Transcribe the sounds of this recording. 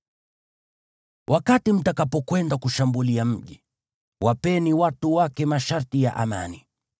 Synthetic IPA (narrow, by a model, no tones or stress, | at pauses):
wʔakatim̩takapɔkwɛndakuʃambuliam̩ʄi | wapɛniwatuwakɛmaʃaɾtija̰ʔama̰ni